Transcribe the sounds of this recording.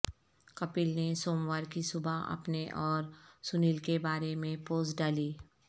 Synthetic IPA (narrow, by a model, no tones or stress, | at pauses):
kɐpɪlnesoːmʋaːɾkisʊbʱaɐ̰pneʔɔːɾsʊnɪlkebaːɾemẽpoːsɖaːliː